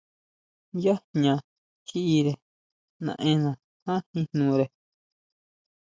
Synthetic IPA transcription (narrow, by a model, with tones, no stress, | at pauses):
ja˦ɲã˧˨ | t͡ʃi˦ʔi˧ɾe˨ | nã̰˨˧ʔẽ˧˦nã˨ | hã˦hĩ˧nnũː˧ɾe˨